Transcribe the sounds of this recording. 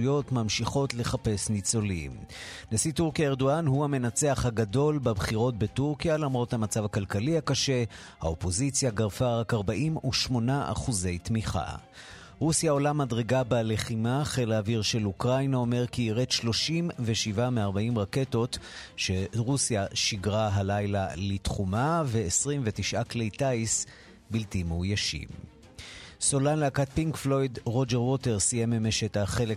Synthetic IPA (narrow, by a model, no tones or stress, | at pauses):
jo̞tmamʃiχo̞tle̞χape̞snit͡so̞lḭmnesituʁkiaeʁdoanhuhame̞nat͡seaχhaɡado̞lbabχiʁo̞t̚be̞tuʁkijalamʁo̞thamat͡savakalkalihakaʃe̞ | ha̰opo̞zit͡sjaɡaʁfaʁakaʁbaʔimuʃmo̞naʔa̰χuze̞jtmiχa̰ | ʁusjao̞lamadʁeɡabale̞χimaχelaːviʁʃe̞lukʁajnao̞me̞ʁkiːʁet̪ʃlo̞ʃimveʃivameaʁbaʔimʁake̞to̞tʃe̞ʁusjaʃiɡʁaɦalajlalitχumaveːsʁimvetiʃʔaklejtais | biltimujaʃḭm | solanleakat̚piŋkflo̞jdʁo̞d͡ʒeʁwo̞teʁsijememeʃethaχele